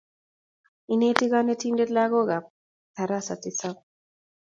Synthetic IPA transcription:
ineti˦ɡa˦neti˦nde˦t̪la˦ɡo˦ɡa˨ | t̪a˨ɾasa˨t̪isa

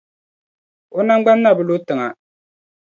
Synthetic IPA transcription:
o˦na˦ŋɡ͡ba˦nː˦a˦˨bɨ˨lo˦tɨ˨ŋa˨

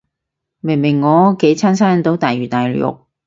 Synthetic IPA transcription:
mɪ˨˩mɪ˨˩ŋːɔː˨˧ke˨˧˥jt͡sʰaː˥nsaː˥nt̪o˨˥wt̪aː˨jɥyː˨˩t̪aː˨jljʊ̰˨k̚

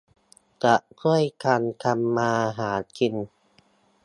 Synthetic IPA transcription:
ka˨˦ʔkʰu˥˩əjkʰaː˧nkʰa˧mːaː˧ɦaː˩˦kʰi˧n

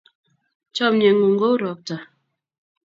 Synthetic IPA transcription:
t͡ʃɔ˦m̚ɲe˨ŋu˨ŋ̩˦ɡo˦ɾɔ˨k̚ta˨

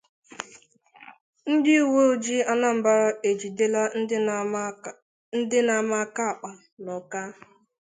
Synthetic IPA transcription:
n̩˦dɪ˦˨wo˦o˨d͡ʒi˦a˦na˦m̩˨ba˦ɾa˦e˨d͡ʒi˨de˦la˦n̩˦ | n̩˦dɪ˦na˨ma˦ka˦a˨k͡pa˨ | nɔ˨ka˦

